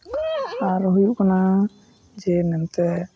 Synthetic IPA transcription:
aɾɦujuʔkana | d͡ʒɛnɛnt̪ɛ

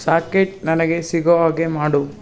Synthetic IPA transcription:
saːkeʈ̚nɐnɐɡe̞siɡoʋaːɡemaːɽu

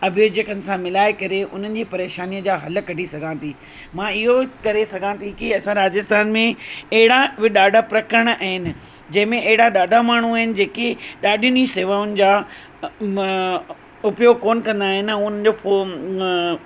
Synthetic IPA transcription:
ɐbʱjod͡ʑekənɪ̆sãmɪlaːekɐɾeʔʊ̰n̤ənɪ̆d͡ʑiːpɐɾeːʃaːnijəd͡ʑaːɦɐləkɐʈisɐɡʱãt̪ʰiː | mãːɪɦokɐɾesɐɡʱãt̪ʰikiɐsãɾaːd͡ʑɪst̪aːnmẽɐɦɪɽaʋɪɗaːɖʱapɾɐkəɾəɽ̃aɦɪnɪ̆ | d͡ʑɐ̃ɦɪ̃mẽʔɐɦɪɽaɗaːɖʱamaːɳ̤̃uaːɦɪnɪ̆d͡ʑeːkeɗaːɖʱijniseːʋaːʊnɪ̆d͡ʑaː | ʊpjoːɡkoːnkɐ̃nd̪aːɦɪnɪɛ̃ʊnə̆d͡ʑoːfo

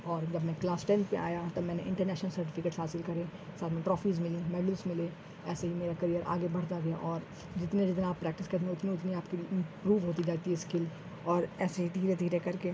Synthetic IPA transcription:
ɔːɾd͡ʒɐbmɛ̃klaːsʈɛ̃nɖpḛʔa̰ːjat̪omɛ̃ːneʔɪ̃ɳʈəɾnɛːʃnəlsɐɾʈɪfɪkeːʈsɦaːsɪlkɐɾẽːsaːɾmẽʈɾɔːfʰiːzmɪlĩmɛːɖɪlsmɪle | ɛːseɦimeːɾakɐɾijəɾʔa̰ːɡebɐɽ̤t̪aɡɐjaʔɔːɾ | d͡ʒɪt̪nẽd͡ʒɪt̪naaːpːɾɛːk̚ʈɪskɐɾt̪ːẽʊt̪nẽʊt̪niaːpkiɪ̃mpɾuːʋɦoːt̪id͡ʒaːt̪iɦɛskɪl | ɔːɾɛːseɦid̪ʱiːɾed̪ʱiːɾekɐɾke

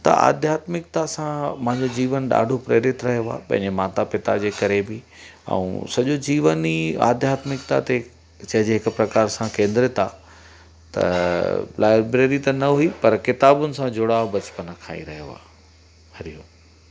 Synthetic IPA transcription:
t̪ɐ̰a̰ːd̪ʱjaːt̪mɪkt̪asãmɐ̃ɦɪ̃ɲd͡ʑod͡ʑiːʋənɗa̰ːɖʱopɾeːɾɪt̪ɾɐɦijoa̰ːpɐ̃ɦɪ̃ɲd͡ʑemaːt̪apɪt̪a̰d͡ʑeːkɐɾebɪ | ɛ̰ṵ̃sɐʄod͡ʑiːʋənia̰ːd̪ʱjaːt̪mɪkt̪at̪e | t͡ɕɐ̃ɦɪ̃d͡ʑeɦɪkʊpɾɐkaːɾsãkẽːnd̪ɪɾɪt̪a | t̪ɐ̰laːɪbɾeːɾit̪ɐnɐɦuipɐɾkɪt̪aːbʊnɪ̆sãd͡ʑʊɽaːʋbɐt͡ɕɪ̥pənakʰa̰ːḭɾɐɦjo̰a̰ː | hɐɾijoː

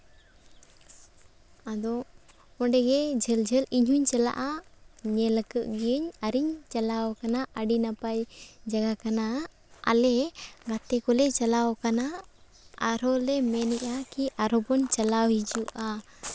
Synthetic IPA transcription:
ad̪ɔ | ɔ̃ɖɛɡɛd͡ʒʱɛld͡ʒʱəliɲɦuɲt͡ʃala̰ʔaɲɛləkəʔɡiəɲaɾiɲt͡ʃalawkanaʔaɖinapajd͡ʒaɡakana | a̰lɛɡat̪ɛkɔlɛt͡ʃalawkana | aɾɔlɛmɛniʔakiʔaɾɔbɔnt͡ʃalawɦid͡ʒuʔa

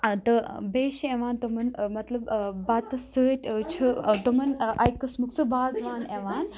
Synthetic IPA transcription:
t̪ɐbeːʃeːʋaːnt̪ɐmɐnmɐt̪lɐbbaːt̪ɐsətʲt͡ʃʰɐt̪ɐmɐnʔajkːɐsmuksɨbaːzʋaːneʋaːn

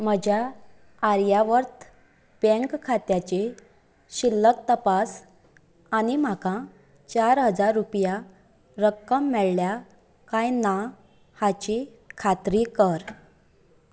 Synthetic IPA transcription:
m̤əd͡ʑʱja | aɾjaʋəɾt̪ʰ | pə̃ŋkkʰːat̪jat͡ɕe | ɕilːək̚t̪əpas | anim̤akã | t͡ɕaɾɦəd͡zaɾːupja | ɾəkːəmːɛɭlja | kãjna | hat͡ɕi | kʰat̪ɾikəɾ

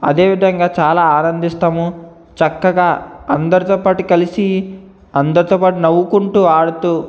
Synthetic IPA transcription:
ɐ̰d̪eːʋid̪ʱɐŋɡaːt͡ʃaːlaːaːnɐnd̪ist̪aːmu | t͡ʃɐkːɐɡaːɐnd̪ɐɾit̪ɔːpaːʈukɐlisi | ɐnd̪ɐɾit̪oːpaːʈunɐwukuɳʈuːaːɽut̪uː

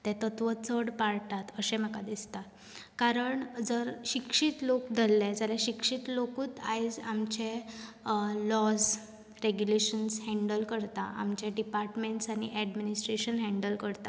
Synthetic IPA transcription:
t̪ɛ̃t̪ət̪ʋət͡səɽpaɽt̪at̪əɕɛ̃m̤əkad̪ist̪at̪ | kaɾəɳd͡zəɾɕikʂit̪lokd̪əlːɛ̃d͡zaljaɕikʂiːt̪lokuːt̪a̰jd͡zamt͡ɕẽ | lɔs | ɾeɡjuleɕənshɛ̃ɳɖəlkəɾt̪aʔa̰mt͡ɕɛ̃ɖipaɾʈmeɳʈsaɽ̃iʔɛɖminisʈɾeɕənɦɛ̃ɳɖəlkəɾt̪a

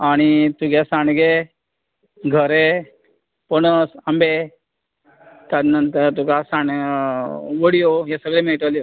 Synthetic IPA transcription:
aɽ̃it̪uɡesaɳɡe | ɡʱəɾe | pənəsəmbe | t̪ad̪nənt̪əɾt̪uɡasaɳ | ʋəɽijoɦesəɡɭemeʈaljo

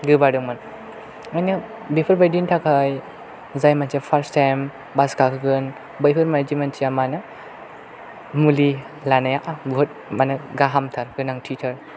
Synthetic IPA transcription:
ɡɯbadɯŋman | ŋajnɯ | bepʰɯɾbajdintʰakʰaj | zajmansapʰaɾstajm | baskakʰɯɡɯn | bɯjpʰɯɾmand͡ʒimansʰijamanɯ | muli | lanajaʔabuɦɯt̚manɯɡaɦamtʰaɾɡɯnaŋtʰitʰɐɾ

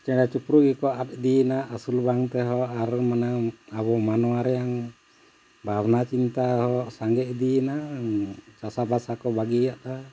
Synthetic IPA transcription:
t͡ʃɛɽat͡ʃupɾuɡɛkɔʔat̪̚d̪inaʔasulbaŋt̪ɛɦɔʔaɾmanaabɔmanɔwaɾɛjaŋ | bʱabnat͡ʃint̪ahɔʔsaŋɡɛʔd̪inaʔt͡ʃasabasakɔbaɡijaʔt̪a

